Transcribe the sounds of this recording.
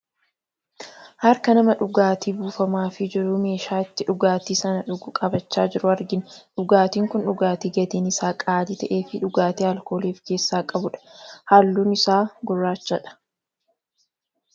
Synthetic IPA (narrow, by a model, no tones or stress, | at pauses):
hɐɾkɐnɐmɐᶑʊɡaːt̪iːbuːfɐmaːfɪd͡ʒɪɾʊme̞ːʃaːɪt̪ːɪᶑʊɡaːt̪iːsɐnɐᶑʊɡʊkʼɐbɐt͡ʃːaːd͡ʒɪɾʊɐɾɡɪnᶑʊɡaːt̪iːŋkʊnᶑʊɡaːt̪iːɡɐt̪eːnɪsaːkʼaːd̪iːt̪ɐʔe̞ːfɪᶑʊɡaːt̪iːhɐlko̞ːleːfke̞ːsːaːkʼɐbʊᶑɐ̥haːlːuːnɪsaːɡʊrːaːt͡ʃːɐᶑɐ̥